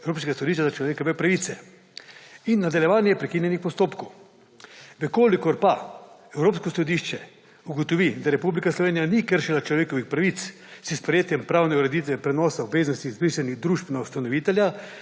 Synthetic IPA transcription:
ewɾoːpskeɡasɔd̪iʃt͡ʃazat͡ʃlɔʋeːkɔʋɛpɾaʋiːt̪sɛ | inːad̪aljɛʋaːnjɛpɾɛkiːnjɛnixpɔst̪oːpkow | ʋəkoːlikɔɾpaɛwɾoːpskɔsɔd̪iʃt͡ʃɛ | uɡɔt̪ɔʋid̪aɾɛpublikaslɔʋeːnijanikəɾʃilat͡ʃlɔʋeːkɔʋixpɾaʋit̪s | sispɾɛjeːt̪jɛmpɾaːwnɛuɾɛd̪it̪ʋɛpɾɛnɔːsaubʋeːznɔst̪izbɾiʃɛniɣd̪ɾuːʒpnaust̪anɔʋiːt̪ɛlja

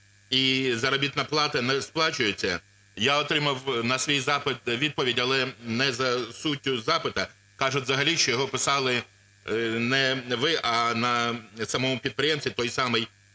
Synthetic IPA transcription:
izɐɾɐbʲit̪nɐplˠɑt̪ɐnɛsplˠɑt͡ʃʊjet͡sʲːɐ̰ | jaɔt̪ɾɪmɐwnɐsʋʲijzɑpɪt̪ʋʲid̪̚pɔʋʲidʲɐlˠɛnɛzɐsutʲːʊzɑpɪt̪ɐ | kɑʒʊtʲzɐɦɐlʲiʃt͡ʃɔjɔɦɔpɪsɑlˠɪ | nɛʋɪʔɐnɐsɐmɔmʊpʲid̪̚pɾɪjɛmsʲt̪ʋʲit̪ɔjsɑmɪj

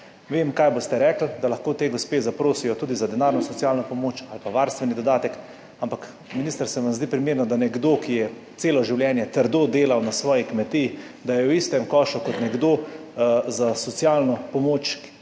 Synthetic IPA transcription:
ʋemkajbost̪ɛɾɛkl̩d̪alaxkoːt̪eːɡospeːzapɾoːsijɔt̪uːd̪izad̪ɛnaɾnɔsɔsjaːlnɔpɔmoːt͡ʃalpaʋaːɾst̪ʋɛnid̪ɔd̪aːt̪ɛk | ampak | miniːst̪əɾsɛʋanzd̪iːpɾimeːɾnɔd̪anɛɡd̪oːkijɛ | t̪seːlɔʒiwljɛnjɛt̪əɾd̪oːd̪eːlawnasʋɔːjikmɛt̪ij | d̪ajɛwist̪ɛmkɔːʃukɔt̪nɛɡd̪oː | zasɔt̪sialnɔpɔmoːt͡ʃ

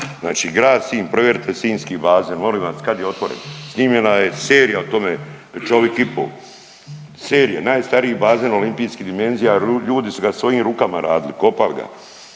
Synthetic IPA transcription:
zna̰ːt͡ʃiːɡɾaːd̪siːnpɾo̞ʋjeɾt̪ʰesiːnskibaːzeːnmoliːʋaskad̪jeo̞t̪ʋo̞ɾḛnsniːmʎenajeseːɾijaot̪o̞me | t͡ʃoʋjekipo̰ːl | seːɾijenaːjst̪aɾiibaːzeno̞limpiːskid̪ime̞nzijaʎuːd̪isuɡasʋo̞jiːmɾuːkamaɾaːd̪iliko̞paliɡa̰

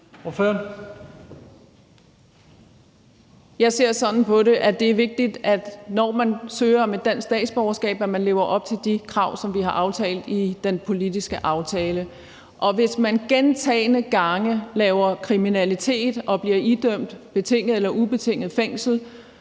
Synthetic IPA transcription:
oføɐn | jɑ̈ɪse̝ɐ̰sɒ̽nn̩pʰɒ̽ɾe̝ʔæd̥e̝æɐʋe̝ɡ̥̚d̥id̥æd̥nɒːmænsøːɐmed̥æn̰ssd̥ɛ̰ːd̥sb̥ɒʊɐsɡ̥ɛ̰ːb̥æmænle̝ʊɐʔɒ̽b̥̚t͡sʰe̝ld̥ikʰʁɑ̈ʊ̰sɒ̽mʋiɦɑ̈ʔɑ̈ʊt͡sʰɛ̰ːld̥id̥enpʰo̝lidisɡ̥əʔɑ̈ʊt͡sʰɛːlə | ʔɒ̽ʋe̝smænɡ̥ent͡sʰɛ̰ːɪnəɡ̥ɑ̈ŋəlɛːʊɐkʰʁiminælit͡sʰe̝̰ːd̥ʔɒ̽b̥liɐʔid̥øm̰d̥b̥e̝t͡sʰe̝ŋ̰əð̩ˠelɐʔub̥e̝t͡sʰe̝ŋ̰ð̩ˠfeŋ̰sl̩

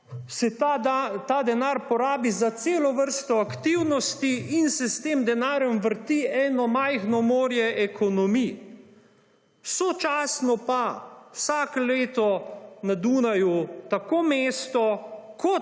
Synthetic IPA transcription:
sɛaat̪aːd̪ɛnaːɾpɔɾaːbizat̪seːlɔʋəɾst̪ɔakt̪iwnɔst̪iinsɛst̪eːmd̪ɛnaːɾjɔmʋəɾt̪iɛːnɔmajxnɔmoːɾjɛʔɛkʰɔnɔmi | wsɔt͡ʃaːsnɔpawsaːkɔleːt̪ɔnad̪uːnajut̪akoːmeːst̪ɔkʰɔ

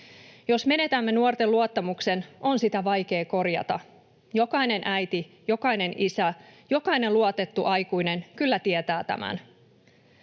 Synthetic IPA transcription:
jo̞sme̞ne̞t̪æmːe̞nuort̪e̞luɑt̪ːɑmukse̞nʔo̞nsit̪æʋɑjke̞ːko̞rjɑ̰t̪ɑ̰ | jo̞kɑjne̞nʔæjt̪i | jo̞kɑine̞nisæjo̞kɑine̞nluɑt̪e̞t̪ːuʔɑjkujne̞nkylːæt̪iet̪æːt̪æ̰mæ̰n

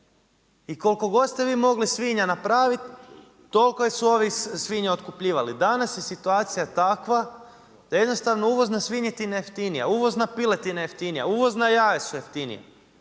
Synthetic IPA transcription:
iko̞lko̞ɡo̞d̪st̪eʋiːmo̞ɡlisʋiɲanapɾaːʋit̪ː | o̞lkojesuo̞ʋisʋiɲeo̞t̪kupʎiːʋalid̪anasje̞sit̪uaːt̪sijat̪akʋa | d̪̥aje̞d̪no̞st̪aʋnouʋo̞znasʋiɲet̪injeft̪inija̰uʋo̞znapilet̪inajeft̪inijauʋo̞znajaːʋesujeft̪inḭja̰

